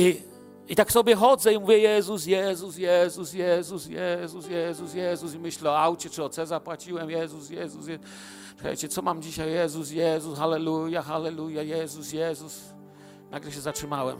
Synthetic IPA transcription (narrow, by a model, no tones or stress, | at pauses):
i | it̪aksɔbʲjɛxɔd̪zɛimuvʲjɛjɛzus̬jɛzusjɛzusjɛzusjɛzusjɛzus̬jɛzusimɘɕlɛɔawt͡ɕɛt͡ʂɨɔt̪sɛzapwat͡ɕiwɛmjɛzusjɛzusjɛ | ʂɨ̥ka̰jt͡ɕɛt̪sɔmamd͡ʑiɕajːɛzus̬jɛzusxalɛlujaxalɛlujajɛzusjɛzus | naɡlɛɕ̬ɛzatʂɘmawɛ̰m